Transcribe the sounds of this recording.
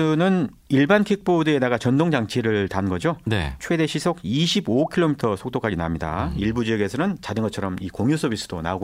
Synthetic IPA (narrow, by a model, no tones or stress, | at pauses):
ɯnɯn | iɭbankʰik̚p͈odɯe̞daɡat͡ɕʌndoŋd͡ʑaŋt͡ɕʰiɾɯɭtanɡʌd͡ʑonet͡ɕʰwe̞de̞ɕʰisʰoɡiɕʰibokʰiɭomitʰʌsʰok̚t͈ok͈ad͡ʑina̰mɲida̰iɭbud͡ʑijʌɡe̞sʰʌnɯnt͡ɕadɯnɡʌt̚t͡ɕʰʌɾʌmikoŋjusʰʌbis͈ɯ̥d̥ona̰oɡo